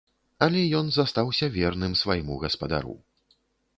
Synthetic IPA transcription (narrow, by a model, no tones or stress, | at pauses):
ɐlʲɛjɔnzast̪awsʲɐvʲɛrnɨmsvajmuɣɐspad̪a̰ɾṵ